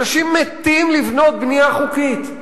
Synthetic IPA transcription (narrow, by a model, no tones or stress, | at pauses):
aʃimːet̪imlivno̞t̪̚bnijaχukit̪